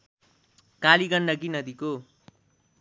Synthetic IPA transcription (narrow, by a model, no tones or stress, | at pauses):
kaliɡʌɳɖʌɡinʌd̪iko